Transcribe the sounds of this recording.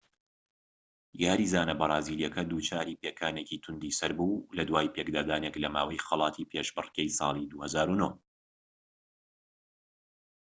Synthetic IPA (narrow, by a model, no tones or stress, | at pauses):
jaːɾiːzaːnɐbɐrˤɑːziːlijɛkʰɐd̪uːt͡ʃʰaːɾiːpeːkʰaːneciːt̪ʰʊnd̪iːsɐɾbuːlɐd̪waːjpʰeːkd̪aːd̪aːneklɐma̰ːwɐjxɑlˠɑːt̪ʰiːpʰeːʃbɨrkejsɑ̰ːlˠid̪uhɐzaːɾuno